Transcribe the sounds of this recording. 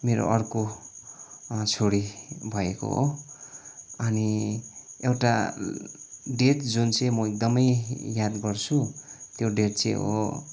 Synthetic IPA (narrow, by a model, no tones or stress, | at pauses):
meɾo̰ʔʌrko | t͡sʰoɽibʱʌeko̰ɦo̰ | ʌni | ewʈa | ɖeʈd͡zunt͡sʌjmʌek̚d̪ʌmʌjjad̪ɡʌrt͡sʰut̪joɖeʈ̚t͡sḛ̃ɦo̰